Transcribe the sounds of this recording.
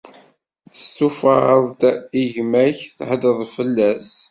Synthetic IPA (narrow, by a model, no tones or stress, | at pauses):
θə̥st̪ufəəðˤd̪iʝmæçθħəd̪əðˤfəlːæs